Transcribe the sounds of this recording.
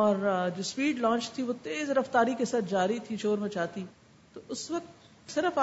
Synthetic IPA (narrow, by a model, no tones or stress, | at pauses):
ɔːɾd͡ʒoːspiːɖlãːt͡ʃt̪ʰiʋot̪eːzɾɐft̪aːɾikesaːt̪̚ʰd͡ʒaːɾit̪ʰit͡ʃoːɾmẽt͡ʃaːt̪i | t̪oʊsʋɐk̚t̪ | sɪɾəf